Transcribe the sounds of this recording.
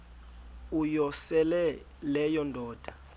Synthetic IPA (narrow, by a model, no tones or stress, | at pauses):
ujɔsɛlɛ | lɛjɔndʱɔːd̥ʱa